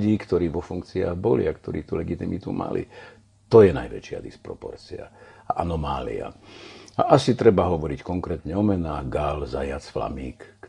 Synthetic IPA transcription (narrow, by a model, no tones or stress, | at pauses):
ɟiːkt̪ɔɾiːʋɔfuŋkt͡sia̰ːɣbɔlḭakt̪ɔɾiːt̪ulɛɡit̪imit̪uma̰lḭ | t̪ɔjɛna̰jʋɛ̰t͡ʃɪa̰d̪ispɾɔpɔ̰ɾt͡sia̰aʔanɔmaːlḭa̰aʔasit̪ɾɛbaɦɔʋɔɾickɔŋkɾɛːt̪ɲɛɔmɛnaːɡalzajat͡sfla̰miːk